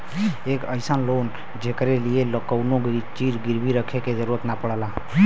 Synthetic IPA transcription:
eːkəɪsənloːn | d͡ʒekɾelijeləkəwnoɡt͡ʃiːɾɡɪɾbʱiɾəkʰeked͡ʒəɾuɾət̪napəɽəla

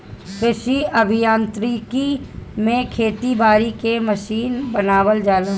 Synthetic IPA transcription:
kɾɪʃiʔɐbʱɪjãːnt̪ɾikimẽkʰeːt̪ibaːɾikeməʃiːnbənaːwəld͡ʒaːla

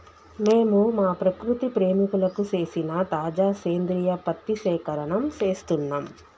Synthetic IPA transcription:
me̞ːmumaːpɾɐkɾut̪ipɾe̞ːmikulɐkut͡ʃe̞ːsinɐt̪aːd͡ʒaːʃeːnd̪ɾijɐpɐt̪ːiʃɛːkɐɾɐɳɐmt͡ʃe̞ːst̪unːaːm

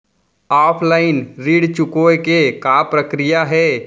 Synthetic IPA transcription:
aːpʰlaːɪnɾiːɽt͡ʃʊkoːkekaːpɾəkɾɪjaɦɛː

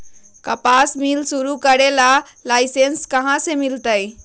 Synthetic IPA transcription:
kəpasmilsuɾukəɾela | lajsenskəɦãsemilt̪əj

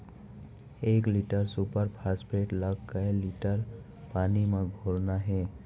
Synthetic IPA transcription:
eːkliʈəɾsupəɾpʰaspeʈləɡkːəliʈəɾ | paːnimãɡʱoɾnaɦɛː

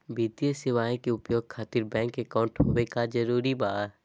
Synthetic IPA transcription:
biːt̪ijəsɪʋaːẽkeʊpjoːɡ̚kʰaːt̪ɪɾbɛ̃ːŋkekaːʊ̃ɳʈɦoːekad͡ʒɐɾuːɾibaː

